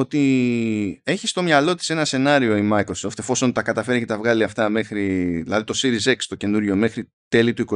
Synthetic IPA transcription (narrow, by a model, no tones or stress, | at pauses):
ot̪i | e̞çist̪o̞mɲɐlo̞t̪i̥se̞nɐse̞nɐɾio̞imɐikɾo̞so̞ft̪efo̞so̞nt̪ɐkɐt̪ɐfe̞ɾice̞t̪ɐvɣɐliɐft̪ɐme̞xɾiðilɐðit̪o̞siɾize̞kst̪o̞ce̞nuɾʝo̞me̞xɾi | t̪e̞lit̪uiko